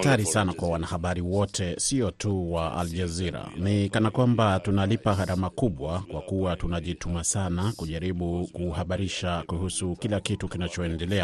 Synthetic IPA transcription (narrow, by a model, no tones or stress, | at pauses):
taɾisanakwawanahaɓaɾiwɔtʰɛsiɔtʰuwaʔa̰ld͡ʒaziɾa̰nikanakwambatunalipahaɾamakuɓwakwakuwatunaʄitumasanakuʄaɾiɓukuhaɓaɾiʃakuhusukilakitukinat͡ʃɔɛndɛlɛa